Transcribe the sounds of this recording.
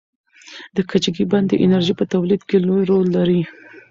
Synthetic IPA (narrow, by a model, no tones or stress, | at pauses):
d̪əkʰat͡ʃɡiband̪əʔɪnaɾʒipət̪awlid̪kelojɾolːaɾi